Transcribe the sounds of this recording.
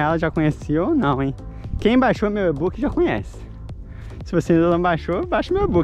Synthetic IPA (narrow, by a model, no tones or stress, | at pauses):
ɛlɐʒakõɲesionɐ̃w̃ẽj̃kẽj̃bajʃomewebukɪʒakõɲɛ̰sɪ̥ | sɪvosẽd̪ɐnɐ̃w̃bajʃobaʃɐumewebuk